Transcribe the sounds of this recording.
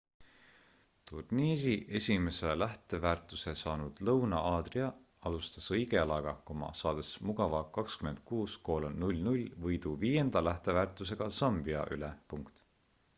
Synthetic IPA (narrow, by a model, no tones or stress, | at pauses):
t̪urniːɾiʔe̞sʲime̞selæht̪e̞væːrt̪ˑːuse̞sɑːnud̪̥lɤwnɑɑːd̪̥riɑ | ɑlust̪ɑsɤjɡe̞ɑlɑɡ̥ɑko̞mɑ̰sɑːd̪̥e̞smuɡ̥ɑvɑkɑkskyme̞nd̪̥̚kuːsko̞ːlonulʲnulʲvɤjd̪̥uviːje̞nd̪̥ɑlæht̪e̞væːrt̪ːˑus̬e̞ɡ̥ɑsɑmbiɑ̰ʔylepuŋkt̪